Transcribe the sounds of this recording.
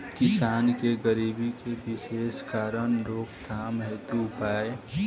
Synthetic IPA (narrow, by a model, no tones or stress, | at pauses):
kɪsaːnkeɡəɾiːbikebɪʃeːskaːɾəɽ̃ɾoːkd̪ʰʱaːmɦeːt̪uʊpaːe